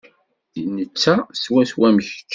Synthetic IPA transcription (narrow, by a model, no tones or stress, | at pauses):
nət͡sːæswæswæmç